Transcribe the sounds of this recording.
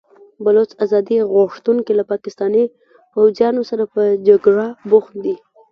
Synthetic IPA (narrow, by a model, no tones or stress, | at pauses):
balot͡sazɑd̪iɣoʂt̪uŋkilapɑkɪst̪ɑni | pawzjɑnosaɾapəd͡ʒaɡɽaboxt̪d̪i